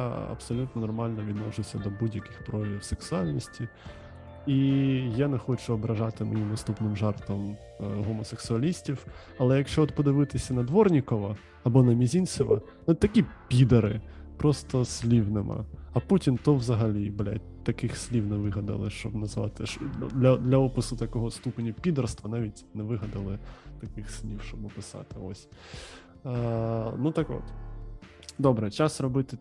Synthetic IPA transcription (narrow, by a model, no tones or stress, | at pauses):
jaɐ̰psɔlʲut̪nɔnɔrmɑlʲnɔʋʲid̪nɔʒɪwsʲɐd̪ɔbudʲjɐkɪxpɾɔlʲiwseksʊɑlʲnʲisʲtʲi | ijanɛxɔt͡ʃʊɔbɾɐʒɑt̪ɪmɐjʲimnɐst̪upnɪmʒɛrt̪ɔm | ɦɔmɔseksʊɐlʲisʲtʲiw | ɐlˠɛjɐkʃt͡ʃɔɔt̪pɔd̪ɪʋɪt̪ɪsʲɐnɐd̪ʋɔrnʲikɔʋɐ | ɐbɔnɐmʲizʲinʲsʲɔʋɐ̰ | nɛt̪ɐkʲipʲid̪ɐɾɪ̰pɾɔst̪ɔsʲlʲiwnɪmʔɐ̰ɐputʲint̪ɔʋzɐɦɐlʲiblʲa̰tʲ | t̪ɐkɪxsʲlʲiwnɛʋɪɦɐd̪ɐ̰lˠɪʃt͡ʃɔbnɐzʋɑ̰t̪ɪʃd̪lʲɐd̪lʲɐɔpɪsʊt̪ɐkɔɦɔst̪upenʲɐpʲid̪ɐrst̪ʋɐnɑʋʲitʲnɛʋɪɦɐd̪ɐlˠɪt̪ɐkɪxsʲlʲiwʃt͡ʃɔbɔpɪsɑ̰t̪ɪɔsʲ | nut̪akɔ̰t̪ | d̪ɔbɾɛt͡ʃasrɔbɪt̪ɪ